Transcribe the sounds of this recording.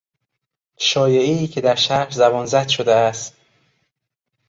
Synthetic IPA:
ʃɒːjeeiːkcʰe̞d̪æɾʃæɾzæbɒnzæd̪̥ʃod̪eæst̪

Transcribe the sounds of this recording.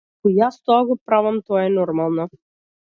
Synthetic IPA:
ɔjast̪ɔaɡɔpɾavamt̪ɔaɛnɔɾmalˠnɔ

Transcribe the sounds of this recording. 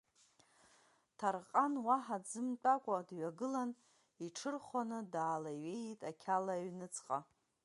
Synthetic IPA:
tʰarqʼanwaħad͡zɨmt͡pʼakʷʼadɥaɡɨlan | iʈ͡ʂʰɨrχʷanɨdaːlaɥejtʼakʲʰalaɥnɨt͡sʰʼqʼa

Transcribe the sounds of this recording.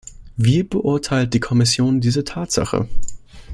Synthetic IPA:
viːbəʔʊɐtʰaɪlt̚d̥iːkʰɔmɪsjoːndiːzətʰaːtz̥a̰χə̰

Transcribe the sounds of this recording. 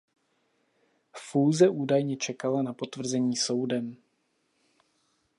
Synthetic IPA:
fuːzɛʔuːdajɲɛt͡ʃɛkalanapo̞t̪vr̩zɛɲiːso̞wdɛm

